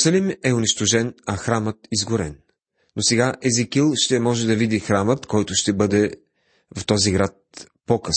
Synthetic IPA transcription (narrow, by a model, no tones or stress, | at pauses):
sɐlimɛʊniʃt̪ʊʒɛnɐxɾamət̪izɡʊɾɛnː | osɛɡaʔɛzikilˠʃt̪ɛmɔʒɛd̪ɐvid̪ixɾamət̪kɔjt̪ʊʃt̪ɛbɤd̪ɛ | ft̪ɔziɡɾat̪̚ | pokɤs